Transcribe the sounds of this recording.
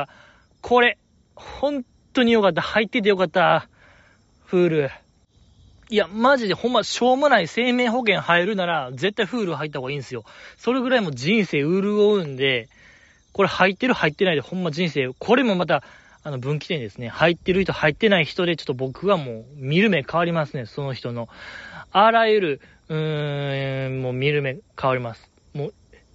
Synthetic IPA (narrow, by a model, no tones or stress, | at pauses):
kʰo̞ɾe̞ | hõ̞n | t̪ːo̞ɲ̟ijo̞kat̪̬ːahait̪ːet̪̬ːejo̞kat̪ːa | ɸɯ̟ːɾɯ̟ | iamaʑid̪e̞hõ̞mːaɕo̞ːmonaise̞ːme̞ːɦo̞k̬ẽ̞ɰ̃haeɾɯ̟naɾaze̞t̪ːaiɸɯ̟ːɾɯɦait̪ːaoɡaĩːnesɨjo̞so̞ɾe̞ɡɯ̟ɾaimod͡ʑĩɰ̃se̞ːɯɾɯ̟o̞ɯ̟̃nd̪e̞ | ko̞ɾe̞hait̪ːe̞ɾɯ̟hait̪ːe̞naid̪e̞hõ̞mːaʑĩɰ̃se̞ːkʰo̞ɾe̞mo̞mat̪̬a | ano̞bɯ̟̃ŋkʲi̥t̪ẽ̞nd̪e̞sɨnehait̪ːe̞ɾɯ̟çi̥t̪o̞hait̪ːe̞naiçi̥t̪o̞d̪e̞t͡ɕo̥t̪ːobo̞kɯ̟βamo̞ːmʲiɾɯ̟me̞kaβaɾʲimasɨne̞so̞no̞çi̥t̪o̞no̞aɾajɯ̟ɾɯ̟ | ɯ̟̃ | moːmʲiɾɯ̟me̞kʰaβaɾʲimasɨ̥ | moː